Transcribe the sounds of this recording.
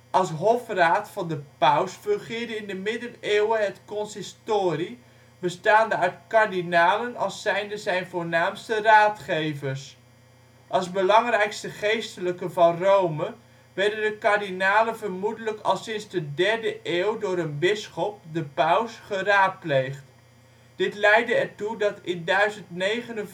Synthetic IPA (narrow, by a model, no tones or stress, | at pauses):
ʔɑlˠsɦɔfraːtfɑndəpœwsfɵŋχɪːɹdəɪndəmɪdəneːwəɦɛtkɔnsɪstoːri | bəstaːndəœɥtkaɹdinaːlənɑlˠsːɛjndəzɛjnvʊːɹnaːmstəraːtχejvəɹs | ʔɑlˠzbəlɑŋrɛjkstəχejstələkəvɑnrowmə | ʋɛɹdəndəkaɹdinaːlənvəɹmudələkɑ̰lˠsɪnzdədɛɹdəʔɪːwdʊːɾənbɪsχɔp̚dəpœwsχəraːt̚plejχt | d̥ɪtlɛjdəɛɹtudɑtɪndœɥzəntnejχənə